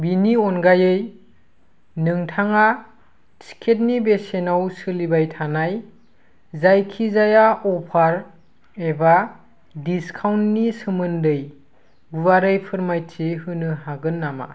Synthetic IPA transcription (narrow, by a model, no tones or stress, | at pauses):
biniɔnɡajɯj | nɯŋtʰaŋa | si̥kʰet̚nibesenawsɯlibajtʰanaj | zajkʰizajaɔpʰaɾ | eba | diskʰawntːisɯmɯndɯj | buwaɾɯjpʰɯɾmajtʰiɦɯnɯɦaɡɯnːama̰